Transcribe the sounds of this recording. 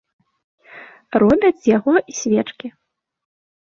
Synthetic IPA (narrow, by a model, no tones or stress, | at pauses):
rɔbʲɐt͡sʲjaɣɔʔisʲvʲɛt͡ʂkʲi